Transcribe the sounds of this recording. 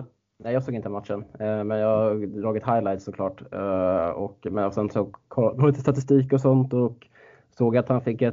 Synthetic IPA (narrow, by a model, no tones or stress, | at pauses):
nɛjɑːɡsoːɡɪnt̪əmat̪ʂənmɛnjɑːd̪ɾɑːɡɛt̪hajlajt̪sɔkʰlɑːʈ | ɔkmɛsɛnsoːɡkʰɔɾolɪt̪ə̥st̪at̪ɪst̪iːkɔsɔnt̪ɔk | soːɡat̪hanfɪkːɛ